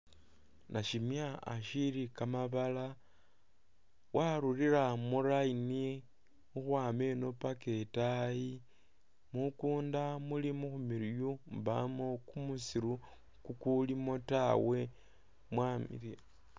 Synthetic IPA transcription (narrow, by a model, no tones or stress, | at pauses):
nʔaʃimjaa̰ʃiɾikamaβala | waɾuriɾamuɾaini | uxwaːme̞no̞pake̞taji | mukuːndamulimuxumiɾjumbamokumusiɾu | kukulimo̞tawe̞ | mwamḭɾi